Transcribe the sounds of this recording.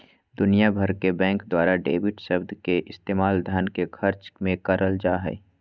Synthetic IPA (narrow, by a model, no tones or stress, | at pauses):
d̪ʊnijabʱəɾkebɛ̃ːŋkd̪waːɾaɖḛːbɪʈsɐbd̪ʱkeʔɪst̪eːmaːld̪ʱankekʰɐɾt͡ʃmẽkɐɾəld͡ʒaːɦɛ̰ː